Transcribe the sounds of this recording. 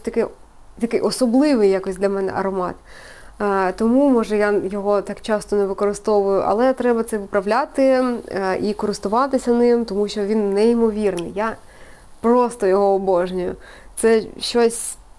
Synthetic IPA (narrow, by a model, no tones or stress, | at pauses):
t̪ɐkɪ | t̪ɐkɪjʔɔsɔblˠɪʋɪjakɔsʲd̪lʲɐmɛnɛ̰ʔɐ̰ɾɔmɑ̰t̪ː | t̪ɔmumɔʒɛjajɔɦɔt̪ɑkt͡ʃɑst̪ɔnɛʋɪkɔɾɪst̪ɔʋʊjʊʔɐ̰lˠɛt̪ɾɛbɐt̪sɛʊpɾɐʋlʲat̪ɪ | ikɔɾɪst̪ʊʋɑt̪ɪsʲɐnɪmt̪ɔmuʃt͡ʃɔʋʲinːɛimɔʋʲirnɪ̰jja | pɾɔst̪ɔjɔɦɔːbɔʒnʲɔjʊ̰ | t̪sɛʃt͡ʃɔsʲ